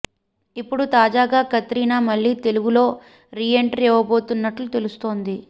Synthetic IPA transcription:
ipːuɽut̪aːd͡ʒaːɡaːkɐt̪ɾiːnaːmɐɭːiːt̪e̞luɡulo̞ː | ɾiːeɳʈɐɾɛːʋɐbo̞ːt̪unːɐʈlut̪e̞lust̪o̞ːnd̪i

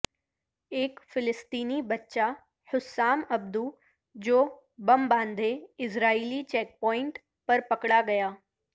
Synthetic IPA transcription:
eːkfɪlɪst̪iːnibɐtːʃa | hʊsːaːmɐb̚d̪u | d͡ʑoː | bɐmbãːnd̪ʱeɪsɾaːiːlit͡ɕɛːk̚pɔːɪ̃ɳʈ | pɐɾpɐkɽaɡɐjaː

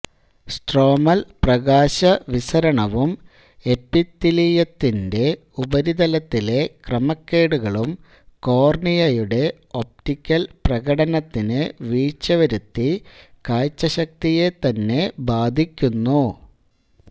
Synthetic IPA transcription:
sʈro̞ːmɐlprɐɣaːɕɐʋisɐɾɐɳɐʋum | e̞pːit̪ːilijɐt̪ːinde̞ | ubɐɾid̪ɐlɐt̪ːile̞krɐmɐkːe̞ːɽuɣɐɭum | ko̞ːrɳijɐjuɽe̞ | o̞p̚tikʲːɐlprɐɣɐɽɐnɐt̪ːinɨʋiːt͡ɕːɐʋɐɾut̪ːikaːjt͡ɕːɐɕɐk̚t̪ije̞t̪ɐnːe̞baːd̪ʱikʲːunːu

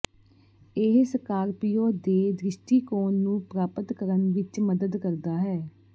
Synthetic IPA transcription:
ɪɦsəkaːɾpijoːd̪eːd̪ɾɪʃʈiːkoːnːũːpɾaːpət̪kəɾənʋɪt͡ʃməd̪əd̪kəɾd̪aːɦɛː

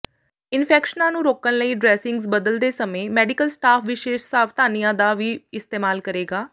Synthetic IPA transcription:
ɪnpʰɛːkʃənãːnũːɾoːkənləiːɖɾɛːsɪ̃ŋɡzbəd̪əld̪eːsəmẽːmɛːɖɪkəlsʈaːpʰʋɪʃeːʃsaːʋt̪aːnijãːd̪aːʋiːɪst̪eːmaːlkəɾeːɡaː

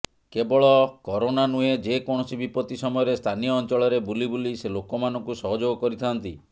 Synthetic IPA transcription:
kebɔɭɔkɔɾonanued͡ʒekɔɽ̃ɔsibipɔt̪isɔmɔjɔɾest̪ʰanijɔːnt͡ʃɔɭɔɾebulibuliselokɔmanɔŋkusɔɦɔd͡ʒoɡɔkɔɾit̪ʰant̪i

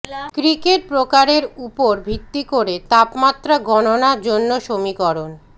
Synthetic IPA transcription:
kɾikeʈ̚pɾokaɾeɾupoɾbʱit̪ːikoɾet̪apmat̪ːɾaɡɔnonaɾd͡ʑonːoʃomikɔɾon

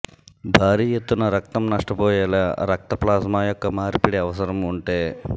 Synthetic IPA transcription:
bʱaːɾiːjet̪ːunɐɾɐk̚t̪ɐmnɐʂʈɐpɔːjɛːlaːɾɐk̚t̪ɐplaːsmaːjɔkːɐmaːɾpiɽiɐʋɐsɐɾɐmuɳʈeː

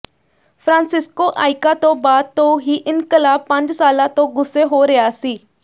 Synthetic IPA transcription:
pʰɾãːnsɪskoːʔaːɪkãːt̪õːbaːd̪̚t̪õːɦiːʔɪnkəlaːpə̃ɲd͡ʒsaːlãːt̪õːɡʊseːɦoːɾɪjaːsiː

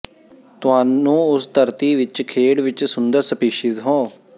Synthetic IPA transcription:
t̪ʊɦaːnũːʊst̪əɾt̪iːʋɪt͡ʃkʰeːɽʋɪt͡ʃsʊnd̪əɾsəpiːʃɪzɦõː

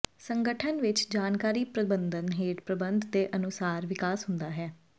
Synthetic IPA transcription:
səŋɡəʈʰənʋɪt͡ʃd͡ʒaːnkaːɾiːpɾəɪbənd̪ənɦeːʈpɾəbə̃nd̪d̪eːʔənʊsaːɾʋɪkaːsɦʊ̃nd̪aːɦɛː

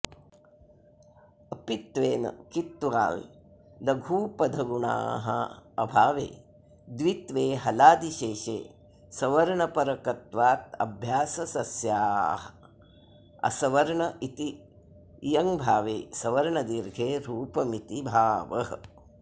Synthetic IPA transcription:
ɐpit̪ʋeːnɐ̰kit̪ːʋa̰ːl | d̪ɐɡʱuːpɐd̪ʱɐɡuɳa̰ːɦɐɐ̰bʱaːʋḛː | d̪ʋit̪ʋeːɦɐlaːd̪iʃeːʃḛː | sɐʋɐɾɐɳɐpɐɾɐkɐt̪ʋaːt̪ɐ̰bʱjaːsɐsɐsjaːɦɐ | ɐ̰sɐʋɐɾɐɳɐit̪i | jɐŋbʱaːʋḛːsɐʋɐɾɳɐd̪iɾɡʱeːɾuːpɐmit̪ibʱaːʋɐ̰ɦ

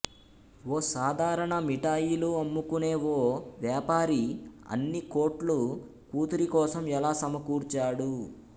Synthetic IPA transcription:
woːsaːd̪ʱaːɾɐɳɐmiʈaːjiluɐmːukune̞ːwoːʋjaːpaːɾiɐ̰nːikoːʈlu | kuːt̪uɾikɔːsɐmɛlaːsɐmɐkuːɾt͡ʃaːɽu

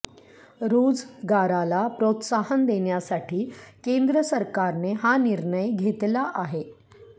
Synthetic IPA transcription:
ɾod͡zɡaɾalapɾot̪saɦənd̪eɳjasaʈʰiːkend̪ɾəsəɾkaɾneɦaniɾɳəjɡʱet̪laʔaɦe

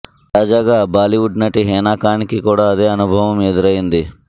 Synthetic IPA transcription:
t̪aːd͡ʒaːɡaːbaːliʋuɖnɐʈiɦɛːnaːkaːnikikuːɽaːɐd̪e̞ːɐnubʱɐʋɐmed̪uɾɐjind̪i

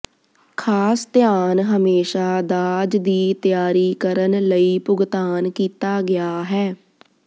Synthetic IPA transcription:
kʰaːst̪jaːnɦəmeːʃaːd̪aːd͡ʒd̪iːt̪jaːɾiːkəɾənləiːpʊɡt̪aːnkiːt̪aːɡɪjaːɦɛː

